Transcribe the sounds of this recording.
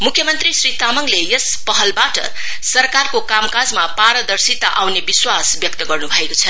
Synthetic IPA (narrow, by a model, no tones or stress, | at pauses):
mukʰjʌmʌnt̪risrit̪amʌŋlejʌspʌɦʌlbaʈʌ̰ | sʌrkarkokamkad͡zmapaɾʌd̪ʌrsit̪aʔawnebiswasbjʌk̚t̪ʌɡʌrnubʱʌekot͡sʰʌ